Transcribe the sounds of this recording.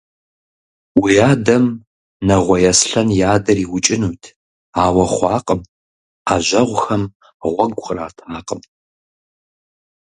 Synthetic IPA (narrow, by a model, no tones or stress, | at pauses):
wijaːdɐm | nɐʁʷɔjɛsɬɐnjaːdɐriːwʊt͡ʃʼɪnuːtʰ | aːwɐχʷɑːqʼəm | aːʒɐʁʷxɐm | ʁʷɔɡʷχəraːtʰaːqʼəm